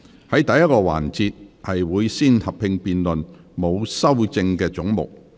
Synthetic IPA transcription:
hɐ˨˥jt̪ɐ˨˧jɐ˥t̚kɔː˧wa̰ː˨˩nt͡siː˧t̚hɐ˨jwuː˨˧jsiː˥nhɐ˨p̚ʰɪ˧ŋpiː˨nlɵ˨n | mo˨˧wsɐ˥wt͡sɪ˧ŋkɛː˧t͡sʊ˨˥ŋmʊ̰˨˩k̚

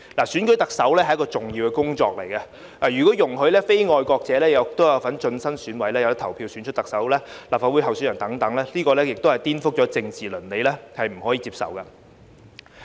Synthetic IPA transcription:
laː˨˩syː˨˥nkɵ˨˥t̪ɐ˨k̚sɐ˨˥wlɛː˥ɦjɐ˥kɔː˧t͡sʊ˨˩ŋji˧wkɛ˧kʊ˥ŋt͡ʃɔ̰ː˧k̚le˨˩jkɐ˧ | aː˨˩jyː˨˩kɔː˨˥jʊ˨˩ŋɦɵ˨˧ɥlɛː˥fe˥jŋɔː˧jkɔː˧k̚t͡sɛː˨˧˥lɛː˥jɐ˨˧wk̚t̪o˥wjɐ˨˧wfɐ˨˥nt͡ʃɵ˧nsɐ˥nsyː˨˥nwɐ˨˥jlɛː˥jɐ˨˧wɐ˥t̪ʰɐ˨˩wpʰiː˧wsyː˨˥nt͡ʃʰɵ˥t̚t̪ɐ˨k̚sɐ˨˥wlɛː˥laː˨p̚faː˧wu˨˥ɦɐ˨wsyː˥jɐ˨˩nt̪ɐ˨˥ŋt̪ɐ˨˥ŋlɛː˥liː˥kɔː˧lɛː˥jɪ˨k̚t̪o˥whɐ˨jt̪iː˥nfʊ˥k̚t͡ʃɔː˨˥t͡sɪ˧ŋt͡siː˨lɵ˨˩nle˨˧jlɛː˥hɐ˨jm̩˨˩ɦɔː˨˥jiː˨˧t͡siː˧p̚sɐ̰˨˩wkɐ˧

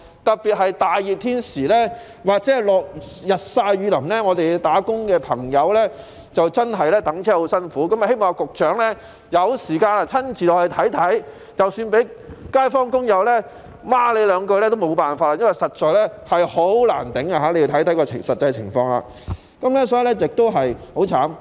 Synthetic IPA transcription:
t̪ɐ˨k̚piː˨t̚ɦɐ˨jt̪aː˨jjiː˨p̚t̪ʰiː˥nsiː˨˩lɛ˥ | waː˨k̚t͡sɛː˨˦˥lɔː˨k̚jɐ˨t̚saː˧jɥyː˨˧lɐ˨˩mnɛː˥ŋɔː˨˧t̪e˨jt̪aː˨˥kʊ˥ŋkɛː˧pʰɐ˨˩ŋjɐ˨˧wlɛː˥ | t͡sɐ˨wt͡sɐ˥nɦɐ˨jlɛː˥t̪ɐ˨˥ŋt͡sʰɛː˥ho˨˧˥wsɐ˥nfuː˨˥kɐ˨˥mɐ˨he˥jmɔː˨ŋa˧kʊ˨k̚t͡ʃœː˨˥ŋlɛː˥ | jɐ˨˧wsiː˨˩kaː˧naː˧t͡sʰɐ˥nt͡siː˨tɔː˨hɐ˨jt̪ʰɐ˨˥jt̪ʰɐ˨˥j | t͡sɐ˨wsyː˧npe˨˥jkaː˥jfɔː˥ŋkʊ˥ŋjɐ˨˧wlɛː˥ | maː˥le˨˧jlœː˨˧ŋkɵ˧ɥlɛː˥t̪o˥wmo˨˧wpaː˨nfaː˧t̚ːa˧˦jɐ˥nwjsɐ˨t̚t͡ʃɔː˨jlɛ˥hɐ˨jho˨˥wla̰ː˨˩nt̪ɪ˨˥ŋa˧ɦaː˨˥le˧ji˧t̪ʰɐ˨˥jt̪ʰɐ˨˥jkɔː˧ɪ˨˩sɐ˨t̚t͡sɐ˧jt͡sʰɪ̰˨˩ŋfɔː˧ŋla̰ː˨ | kɐ˨˥mlɛ˥s̬ɔː˥ji˨˧lɛ˥jɪ˨k̚t̪o˥wɦɐ˨jho˨˥wt͡sʰaː˨˥m

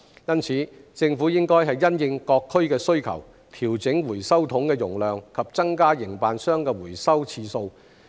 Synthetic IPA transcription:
jɐ˥nt͡sʰiː˨˧˦t͡sɪ˧ŋfu˨˥jɪ˥ŋkɔː˥jɦɐ˨jːɐ˥njɪ˧ŋkɔː˧kʰːɵ˥ɥkɛː˧sɵ˥ɥkʰɐ̰˨˩w | t̪ʰiː˨˩wt͡sɪ˨˥ŋwuː˨˩jsɐ˥wt̪ʰʊ˨˥ŋkɛː˧jʊ˨˩ŋlœː˨ŋkʰɐ˨p̚t͡sɐ˥ŋkaː˥jɪ˨˩ŋpaː˨nsœː˥ŋkɛː˧wuː˨˩jsɐ˥wt͡sʰiː˧so˧w

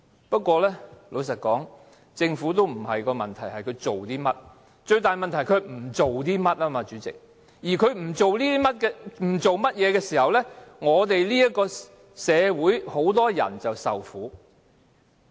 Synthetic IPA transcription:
pɐ˥t̚kʷɔː˧lɛː˥lʔo˨˧ws̬ɐ˨t̚kɔː˨˥ŋ | t͡sɪ˧ŋfu˨˥t̪o˥wm̩˨˩hɐ˨jkɔː˧mɐ˨nt̪ʰɐ˨˩jhɐ˨jkʰɵ˨˧ɥt͡ʃo˨wt̪iː˥mɐ˥t̚ | t͡ʃɵ˧ɥt̪aː˨jmɐ˨nt̪ʰɐ˨˩jkʰɵ˨˧˥ɥm̩˨˩t͡so˨wt̪̬iː˥mɐ˥t̚laː˥maː˧t͡ʃyː˨˥t͡sɪ̰˨k̚ | jiː˨˩kʰɵ˨˧˥ɥm̩˨˩t͡ʃo˨wliː˥i˥mɐ˥t̚kɛ˧m̩˨˩t͡ʃo˨wmɐ˥t̚jɛː˨˧kɛː˧siː˨˩hɐ˨wlɛ˥ŋɔː˨˧t̪e˨jliː˥jɐ˥t̚kːɔː˧ | sɛː˨˧wuː˨˥jho˨˥wt̪̬ɔː˥jɐ̰˨˩nt͡sɐ˨wsɐ̰˨wfuː˨˥

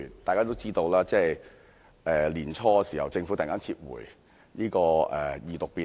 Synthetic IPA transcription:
t̪aː˨jkaː˥t̪o˥wt͡siː˥t̪o˧wlaː˥t͡sɛː˥˩j | ʔɛː˨liː˨˩nt͡ʃʰɔː˧ɛ˧siː˨˩hɐ˨˩wt͡sɪ˧ŋfu˨˥t̪ːŋaː˥nt͡sʰi˧t̚wṵː˨˩j | niː˥kɔː˧ʔɛ̰ː˨˩jiː˨˩t̪ʊ˨k̚piː˨

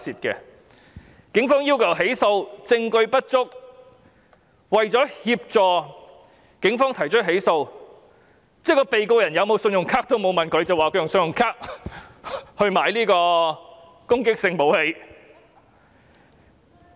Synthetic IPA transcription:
sʰiː˨t̚kɛ̰˧ | kɪ˨˥ŋfɔː˥ŋjiː˥wkʰɐ˨˩wɦe˨˥jso˧wt͡sɪ˧ŋkɵ˧ɥpɐ˥t̚t͡ʃt͡sʊ˥k̚ | wɐ˨jt͡sɔː˨˥hiː˧p̚t͡sɔː˨ | kɪ˨˥ŋfɔː˥ŋt̪ʰɐ˨˩jt͡ʃʰɵ˥t̚ɦe˨˥jso˧w | t͡sɛː˥kɔː˧pe˨jkoː˧jɐ˨˩njɐ˨˧wmo˨˧wsɵ˧njʊ˨˩ŋkʰaː˥k̚t̪o˥wmo˨˧wmɐ˨nkʰɵ˨˧ɥt͡sɐ˨waː˨kʰɵ˧˥jŋsɵ˧njʊ˨˩ŋkʰaː˥k̚ | hɵ˧ɥmaː˨˧jliː˥kɔː˧ | kʊ˥ŋkɪ˥k̚sɪ˧ŋmo˨˥whe˨˧j

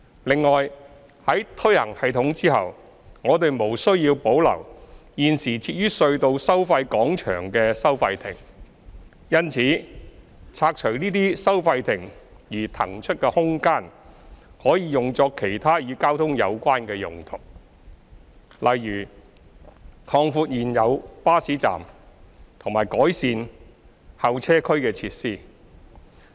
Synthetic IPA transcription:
lɪ˨ŋːɔː˨j | hɐ˨˥jt̪ʰɵ˥jhɐ̰˨˩ŋhɐ˨˧jt̪ʰʊ˨˥ŋt͡siː˥ɦɐ̰˨w | ŋɔː˨˧t̪e˨jmo˨˩wsɵ˥ɥjiː˧wpo˨˥wlɐ̰˨˩wjiː˨nsiː˨˩t͡sʰiː˧t̚jyː˥sɵ˧ɥt̪o˨˧wsɐ˥wfɐ˧jkɔː˨˥ŋt͡ʃʰœ̰ː˨˩ŋkɛː˧sɐ˥wfɐ˧jt̪ʰɪ̰˨˩ŋ | jɐ˥nt͡sʰiː˨˥ | t͡sʰaː˧k̚t͡ʃʰɵ˨˩ɥniː˥t̪̬iː˥sɐ˥wfɐ˧jt̪ʰɪ˨˩ŋ | jiː˨˩t̪ʰɐ̰˨˩ŋt͡ʃʰɵ˥t̚kɛː˧hʊ˥ŋkaː˥˩n | hɔː˨˥jiː˨˧jʊ˨ŋt͡sɔː˧kʰe˨˩jt̪ʰaː˥jyː˨˧kaː˥wt̪ʰʊ˥ŋjɐ̰˨˧wkʷaː˥nkɛː˧jʊ˨˩ŋt̪ʰʊ˨˩k̚ | lɐ˨jːyː˨˩ | kʰɔː˧ŋfuː˧t̚jiː˨˩njɐ˨˧wpaː˥siː˨˥t͡sa̰ː˨˩mt̪ʰʊ˨˩ŋmaː˨˩jkɔː˨˥jsiː˧n | hɐ˨˧wt͡sʰɛː˥kʰɵ˥ɥkɛː˧t͡sʰiː˧t̚siː˥

